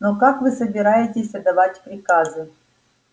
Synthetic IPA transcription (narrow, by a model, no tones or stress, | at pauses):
nokakvɨsəbʲɪɾajɪtʲɪsʲɐd̪avatʲpɾʲɪkazɨ